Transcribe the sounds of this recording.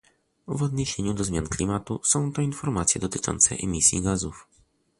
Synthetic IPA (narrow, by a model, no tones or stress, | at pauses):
vɔd̪ɲeɕeɲud̪ɔzmʲjanklʲimat̪usɔ̃w̃t̪ɔinfɔɾmat̪sʲjɛd̪ɔt̪ɘ̥t͡ʂɔ̰nt̪sɛ̰ʔɛmʲisʲjḭɡazuf